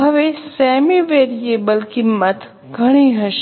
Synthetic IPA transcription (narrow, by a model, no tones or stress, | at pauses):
ɦɐʋesɛːmiʋeɾieːbəlkimːət̪ | ɡʱɐɽ̃iɦɐʃ